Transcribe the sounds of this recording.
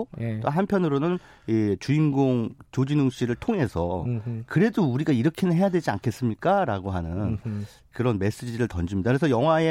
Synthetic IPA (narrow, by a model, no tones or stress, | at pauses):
ojt͈oɦanpʰjʌnɯɾonɯn | it͡ɕuinɡoŋt͡ɕod͡ʑinɯŋɕ͈iɾɯɭtʰoŋɦe̞sʰʌ̰kɯɾe̞douɾiɡaiɾʌkʰinɯnɦe̞jadwe̞d͡ʑia̰nkʰe̞s͈ɯmɲik͈aɾaɡoɦanɯn | kɯɾʌnme̞s͈ed͡ʑiiɾɯɭtʌnd͡ʑimɲidakɯɾesʰʌjʌŋɦwae